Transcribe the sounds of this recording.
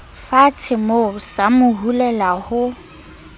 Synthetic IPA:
fat͡sʰɪmosamʊɦulɛlahʊ

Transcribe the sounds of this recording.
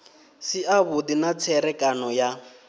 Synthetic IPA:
siaβʊdinat͡sʰɛɾɛkʼanɔja

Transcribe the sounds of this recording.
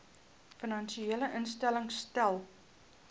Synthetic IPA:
fənɐnʃieələʔənstæləŋstælˠ

